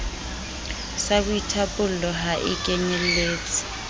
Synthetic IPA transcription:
sak̬uitʰapʼulɔɦaʔḭk̬ʼɛɲɛleːt͡sʰʼi̥

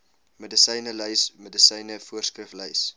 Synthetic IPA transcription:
mədəsəjnələjsmədəsəjnəfuərskrəflœjs

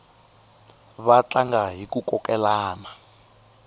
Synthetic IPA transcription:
βat͡ɬaŋɡaɦikukɔkɛlaːna

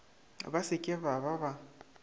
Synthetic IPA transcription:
βasɪkʼɪβaβaβa

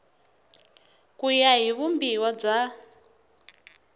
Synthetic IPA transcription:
kujaɦiβumbiwab͡ʐa

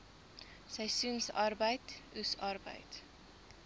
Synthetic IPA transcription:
səjsynsɐrbəjtʉsɐrbə̰jt

